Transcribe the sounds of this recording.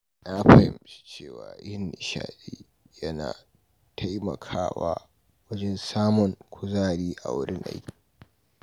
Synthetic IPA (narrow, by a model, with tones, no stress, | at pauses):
ʔa˦ɸaɛ˦˨mst͡ʃeː˦˨waː˨ʔɪ˦nːɪ˨ʃa̰ː˨ɗiː˦ | jɐ˦na̰ː˨ | tʰa˦jmɐ̰˨kʰaː˦wa̰ː˦ | wɐ˦d͡ʒɛ˦nsaː˦mʊ˨ŋkʷʰʊ˦zaː˦˨ɽiː˦ʔa˨wʊ˦ɽɪ˦nʔa̰˦jkʲi̥˨